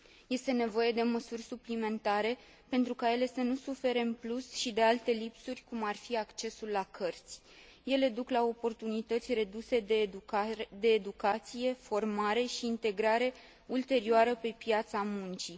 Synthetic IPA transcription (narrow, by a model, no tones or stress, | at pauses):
je̞st̪e̞ne̞vo̞je̞d̪e̞məsurʲsuplime̞nt̪aɾe̞ | pe̞nt̪ɾukaje̞le̞sənusufe̞ɾe̞mplusʃid̪e̞alt̪e̞lipsurʲkumarfiakt͡ʃe̞sulːakʰərt̪sʲ | je̞le̞d̪uklao̞po̞rt̪unit̪ət̪sʲre̞d̪use̞d̪e | d̪e̞ːd̪ukat̪sije̞fo̞rmaɾe̞ʃiːnt̪e̞ɡɾaɾe̞ | ult̪e̞ɾioaɾəpe̞pjat̪samunt͡ʃi